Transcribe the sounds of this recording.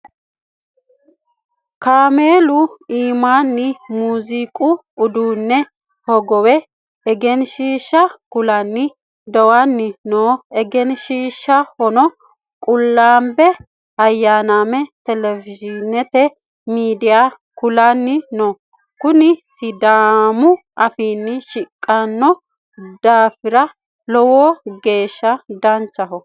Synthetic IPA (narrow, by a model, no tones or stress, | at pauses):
kaːmeːlʊiːmaːnːɪmuːziːkʼʊː | d̪uːnːɛ | hɔɡɔwɛ | ɛɡɛnʃiːʃːɐkʊlɐnːɪ | d̪ɔwanːɪnoːɛɡɛnʃiːʃːɐhɔnɔ | kʼʊlːaːmbɛ | ɐjːaːnamɛt̪ɛlɛvɪd͡ʒɪnɛt̪ɛ | miːd̪ɪja | kʊlɐnːɪnoː | kʊnɪsɪd̪aːmʊ | ʔɐfiːnːɪʃɪkʼːɐnːɔ | d̪aːfɪɾɐ | lɔwoɡe̞ːʃːɐd̪ɐnt͡ʃːɐɦɔ